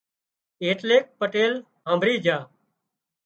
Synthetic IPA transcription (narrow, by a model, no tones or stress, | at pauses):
eːʈleːk̚pəʈeːl | ɦãːmbʱɾiːd͡ʒʱaː